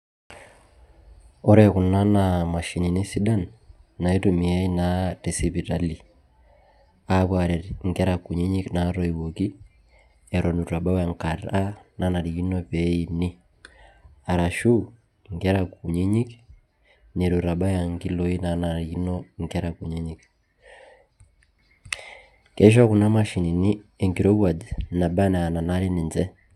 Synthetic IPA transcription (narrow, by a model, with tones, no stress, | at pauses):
ɔ˦ɾɛ˨ku˨na˦na˨ma˨ʃi˨ni˨ni˦si˦da˦nːa˨i˦tu˨mi˨ɛ˦i˦na˦te˨si˨bi˨ta˨li˨ | a˨βwa˨ɾɛ˨ɾŋɡɛ˦ɾa˨ku˨ɲi˦ɲi˦kna˨˦ɾɔ˦i˨wo˨ki˦ | ɛ˨ɾʔɔ˨nu˨ta˨ba˦wa˨ŋka˨ɾa˦na˦na˨ɾiɡi˦nɔ˦pɛ˨˦i˨ni˦ | a˨ɾa˨ʃu˦ | ŋɡɛ˦ɾa˨ku˨ɲi˦ɲi˦k | ne˨ɾu˨ɾa˨ba˦ja˨ŋɡi˦lo˨i˦na˨na˨ɾii˦no˦ŋɡɛ˦ɾa˨ku˨ɲi˦ɲi˦k | ke˦ʃ̬ɔ˦ku˨na˦ma˦ʃi˨ni˨ni˦e˨ŋɡi˨ɾo˦βwa˨dna˨ba˦ne˨a˨na˨na˦ɾi˦ni˨nzɛ˦